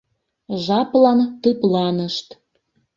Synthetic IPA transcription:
ʒɑplɑnt̪ɨplɑnəʃt̪

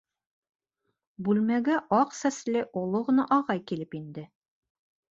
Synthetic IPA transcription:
bʉlmæɡæʔɒqsæslɘʔulˠoʁɤ̆nɑʔɒʁɑjkilɘpind̪ɘ

